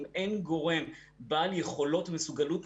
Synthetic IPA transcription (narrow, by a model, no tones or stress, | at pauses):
me̞nɡo̞ʁe̞m | baljeχo̞lo̞tmesuɡalut